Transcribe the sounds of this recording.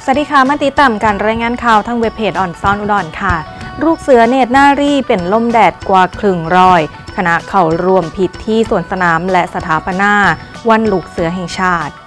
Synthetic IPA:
sa˧˥diː˧˥kʰaː˨˦maː˧˥t̪i˧˦˥t̪ːaː˨˩mkaː˧˩nɾaː˧jŋaː˧˥˨nkʰaː˧˩wt̪ʰa˧˥˩ŋwe˦˥p̚ʰːeː˧˩t̪̚ʔɔː˨˩nsɔː˧˥˩nʔu˧˩dɔː˨˩nkʰa˥˩ɾuː˥˩k̚sɯ˨˦ɐneː˧˩t̪̚naː˥˩ɾiː˥˩pe˨nlo˥˩mdɛː˨˩t̪̚kwaː˨˩kʰlɯ˨˩ŋɾɔː˧j | kʰa˧na˦˥ʔkʰa˨˩wɾu˧əmpʰi˨˩t̪ʰːiː˥˩su˨˩ənsa˧naː˩˦mlɛ˦ʔsa˧t̪ʰaː˨˦pa˧naː˧˩ | wa˧˥˨nluː˦˩k̚sɯ˨˦ɐɦɛː˨˩ŋt͡ɕʰaː˥˩t̪̚

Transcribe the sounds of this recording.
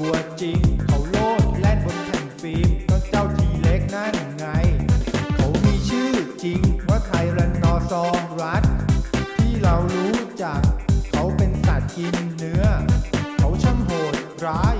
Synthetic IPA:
u˧˩ɐt͡ɕi˧ŋkʰa˦˥wloː˥˩t̪̚lɛ˦˥˩nbo˧nt̪ʰɛ˨˩ŋfiː˦˥mt̪ɔ˧˥˩ŋt͡ɕaː˥˩wt̪ʰiː˧le˦˥k̚naː˥˩ja˨˩ŋːa˧jkʰa˦˥wmiː˧t͡ɕʰɯː˥˩t͡ɕi˧ŋma˦˥˩t̪ʰa˧jɾa˧˥n̚nɔː˧sɔː˧ŋɾa˦˥t̪̚t̪ʰiː˥˩ɾa˧wɾuː˦˥t͡ɕaː˨˩kʰːa˦˥wpe˧nsa˨˩t̪̚ji˧nːɯ˦˥ɐkʰa˦˥wt͡ɕʰa˥˩mɦoː˨˩t̪̚ɾaː˦˥j

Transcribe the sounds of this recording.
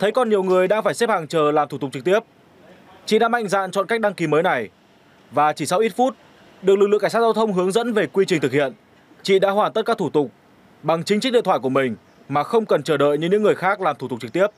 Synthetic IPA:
t̪ʰə˨˦jkɔ˨˩nɲi˨˩əwŋɨ˨˩əjɗaː˧ŋfaː˧˩jsɛ˦˥p̚haː˨˩ŋt͡ɕəː˨˩laː˨˩mt̪ʰu˧˩t̪̚t͡ɕɨ˨˩k̚t̪i˦˥əp̚ | t͡ɕḭ˧˨ɗa̰ː˧˥ma̰˧˨jŋ̟za̰ː˧˨nt͡ɕɔ̰˧˨nka˦˥k̚ɗa˧ŋki˨˦məː˨˦jna˨˩j | vaː˨˩t͡ɕi˧˩sa˧wʔi˦˥t̚fu˦˥t̚ | ɗɨ˨˩k̚lɨ˨˩k̚lɨ˧˨ka˧˩saː˦˥zːwt̪ʰə˧wŋ͡mɦɨ˨˦əŋzə̰˧˥nve˨˩kwi˧t͡ɕi˨˩ŋ̟t̪ɨ˨˩k̚hḭ˧˨ən | t͡ɕḭ˧˨ɗa̰ː˧˥ɦwaː˧˩nt̪ə˦˥kaː˦˥t̪ʰu˧˩t̪ʊ˨˩k͡p̚ | ɓa˨˩ŋt͡ɕï˨˦ŋ̟t͡ɕk̚ɗḭ˧˨t̪ʰwaː˧˨ku˧˩mï˨˩ŋ̟ | maː˨˩xə˧wŋ͡mkə˨˩nt͡ɕəː˧˩ɗə̰ː˧˨jɲɨ˧ɲɨ̰ː˧˥ɨ˨˩əjxaː˦˥k̚laː˨˩mt̪ʰu˧˩t̪̚t͡ɕɨ˨˩k̚t̪i˦˥əp̚

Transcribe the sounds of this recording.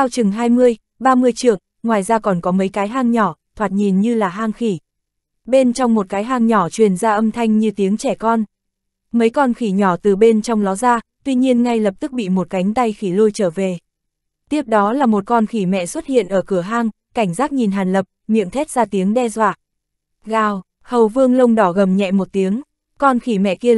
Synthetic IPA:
ʔaː˧wt͡ɕɨ˨˩ŋɦaː˧jmɨ˧əj | ɓaː˧mɨ˧əjt͡ɕɨ˧˩əŋ | ŋwaː˨˩jzaː˧kɔ˨˩nkɔ˨˦mə˨˦jkaː˨˦jɦaː˧ŋɲɔ˧˩t̪ʰwaː˨˩t̚ɲi˨˩nɲɨ˧laː˨˩ɦaː˧ŋxi˧˩ | ɓe˧nt͡ɕɔ˧wŋ͡mmo˨˩t̚kaː˨˦jɦaː˧ŋɲɔ˧˩t͡ɕwi˨˩ənzaː˧ʔə˧mt̪ʰa˧jŋ̟ɲɨ˧t̪i˨˦əŋt͡ɕɛ˧˩kɔ˧n | mə˨˦jkɔ˧nxi˧˩ɲɔ˧˩t̪ɨ˨˩ɓe˧nt͡ɕɔ˧wŋ͡mlɔ˨˦zaː˧t̪wi˧ɲi˧ənŋa˧jlə˨˩p̚t̪ɨ˦˥k̚ɓḭ˧˨mo˨˩t̚ka˨˦jŋ̟t̪a˧jxi˧˩lo˧jt͡ɕəː˧˩ve˨˩ | t̪i˦˥əp̚ɗɔ˨˦laː˨˩mo˨˩t̚kɔ˧nxi˧˩mɛ̰˧˨swə˦˥t̚hḭ˧˨ənʔəː˧˩kɨ˧˩əɦaː˧ŋ | ka˧˩jŋ̟zaː˦˥k̚ɲi˨˩nɦaː˨˩nlə˨˩p̚mḭ˧˨əmt̪ʰɛ˦˥t̚zaː˧t̪i˨˦əŋɗɛ˧zwa̰ː˧˨ | ɣaː˨˩w | hə˨˩wvɨ˧əŋlə˧wŋ͡mɗɔ˧˩ɣə˨˩mɲɛ̰˧˨mo˨˩t̚t̪i˨˦əŋ | kɔ˧nxi˧˩mɛ̰˧˨ki˧ə

